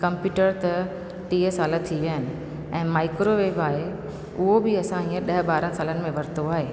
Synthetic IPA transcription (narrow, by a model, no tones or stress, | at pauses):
kɐ̃mpjuːʈəɾt̪ɐ | ʈiːɦəsaːlət̪ʰiʋijənɪ̆ | ɛ̃ːmaːɪkɾoʋeːbaːɦe | ʊɦobɪɐsãɦĩːə̃ɗɐɦbaːɾə̃nsaːlənɪ̆mẽʋɐɾt̪oaːɦeː